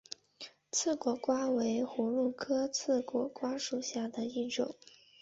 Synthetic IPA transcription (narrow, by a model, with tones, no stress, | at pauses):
t͡sʰɹ̩˥˩kwɔ˧˥kwa˥we˧˥ɪxu˧˥lu˥˩kʰɤ˥t͡sʰɹ̩˥˩kwɔ˧˥kwa˥ʂu˨˩ɕja˥˩d̪ə˩i˥˩ʈ͡ʂʊ˨˩˦ŋ